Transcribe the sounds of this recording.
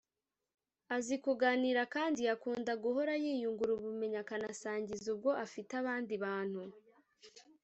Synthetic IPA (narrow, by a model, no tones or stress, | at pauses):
azikuɡaːniːɾakaːndiakuːndaɡuɦo̞ɾajiːjuŋɡuɾuβume̞ɲakanasaːɲɟizub̚ɡo̞ʔafitaβaːndiβaːn̥hu